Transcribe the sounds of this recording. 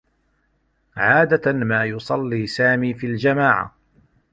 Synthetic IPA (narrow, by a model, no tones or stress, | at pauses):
ʕaːd̪amaːjʊsˤɑlːiːsaːmiːfiːld͡ʒamaːʕa̰